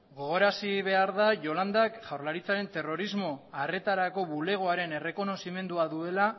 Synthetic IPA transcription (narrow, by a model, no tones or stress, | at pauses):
ɡo̞ɣ̞o̞ɾasiβe̞aɾðaʝo̞land̪akʝawɾlaɾit͡saɾe̞nt̪e̞ro̞ɾizmo̞are̞t̪aɾako̞βule̞ɣ̞oaɾe̞ne̞re̞ko̞no̞sime̞nd̪uaðue̞la